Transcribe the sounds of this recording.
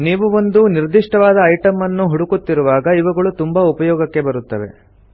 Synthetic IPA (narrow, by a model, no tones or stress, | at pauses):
niːʋuo̞nd̪uniɾd̪iʂʈɐʋaːd̪ɐːjʈɐmːɐnːuɦuɽukut̪ːiɾuʋaːɡɐiʋɐɡɐɭut̪umbɐupɐjɔːɡɐkːe̞bɐɾut̪ːɐʋe̞̰